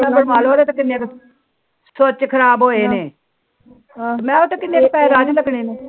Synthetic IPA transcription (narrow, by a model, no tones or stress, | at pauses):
bəɾmaːloːɾeːt̪akɪnːeːk | sot͡ʃkʰəɾaːbɦoːeːneː | mɛ̃ːot̪ekɪneːkpɛːɾaːd͡ʒləɡɳeːneː